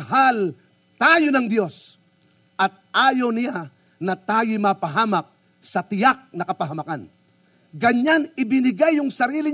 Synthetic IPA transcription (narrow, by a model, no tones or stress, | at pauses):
ɦal | t̪aːjonɐŋd̪jo̞s | ʔɐt̪̚ʔaːjownɪja | nɐt̪aːjʊmapɐɦaːmɐk̚ | sɐt̪ɪjak̚nɐkɐpɐɦɐmɐkan | ɡɐɲanɪbɪnɪɡajːʊŋsɐɾiːlɪ